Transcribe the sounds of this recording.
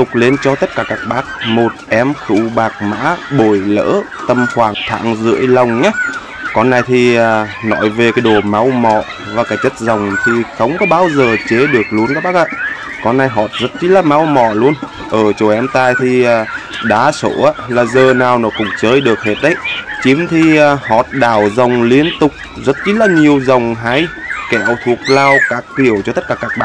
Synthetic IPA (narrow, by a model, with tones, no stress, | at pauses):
t̪ʊ˨˩k͡p̚le˧nt͡ɕɔ˧t̪ə˦˥t̚kaː˧˩kaː˦˥k̚ɓaː˦˥k̚mo˨˩t̚ʔɛ˨˦mxɨ̰˧˥wɓaː˨˩k̚ma̰ː˧˥ɓo˧˩jlə̰ː˧˥t̪ə˧mxwaː˧˩ŋt̪ʰa̰ː˧˨ŋzɨ̰˧˥əjla˨˩wŋ͡mɲa˦ | kɔ˨˧˦nːa˧jt̪ʰiː˨˩˨nɔ˧˩jve˨˩kaː˨˦jɗo˨˩ma˨˦wmɔ˧˩ | vaː˨˩kaː˨˧˩jt͡ɕə˦˥t̚za˨˩wŋ͡mt̪ʰi˨˩xə˨˦wŋ͡mkɔ˨˦ɓaː˧wzəː˨˩t͡ɕe˨˦ɗɨ˨˩ək̚lu˧ənkaː˦˥k̚ɓaː˦˥k̚ʔa̰ː˧˨ | kɔ˧nːa˧jɦɔ˨˩t̚zə˦˥t̚ki˦˥t̚laː˨˩ma˨˦wmɔ˧˩lu˧ən | ʔəː˧˩t͡ɕo˨˧˩ʔɛ˨˧˦mt̪aː˧jt̪ʰiː˨˩˨ɗaː˨˦so̰˧˩ʔaː˧˦laː˨˩zəː˨˩naː˨˩wnɔ˨˦kʊ̰˧˥ŋ͡mt͡ɕəː˨˦jɗɨ˨˩ək̚he˦˥t̚ɗə˨˦jt͡ɕi˨˦mt̪ʰi˨˩˨hɔ˨˩t̚ɗaː˧˩wzə˨˩wŋ͡mli˧ənt̪ʊ˨˩k͡p̚zə˦˥t̚t͡ɕi˦˥tlaː˨˩ɲi˨˩əwzə˨˩wŋ͡mɦaː˨˧˦jkɛ˧˨wt̪ʰu˨˩ək̚laː˧wkaː˦˥k̚ki˧˩əwt͡ɕɔ˧t̪ə˦˥t̚kaː˨˩kaː˦˥k̚ɓa̰ː˧˨